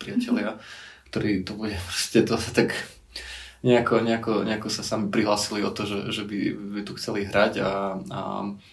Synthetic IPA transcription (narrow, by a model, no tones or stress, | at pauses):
pɾiɪacɛlɪakt̪ɔɾiːt̪ubuɟɛpɾɔ̥scɛt̪ɔasat̪ak | ɲɛakɔɲɛakɔɲɛakɔsasamipɾiɦlaːsiliɔt̪ɔʒɛʒɛbiit̪uxt͡sɛliɦɾaɟaa̰